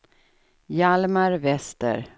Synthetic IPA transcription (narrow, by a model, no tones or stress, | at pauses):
jalmaɾvɛst̪ə̰ɾ